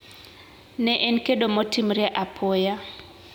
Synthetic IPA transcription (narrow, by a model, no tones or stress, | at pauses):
nɛʔɛnkeɗomɔtimɾjɛʔapʰɔja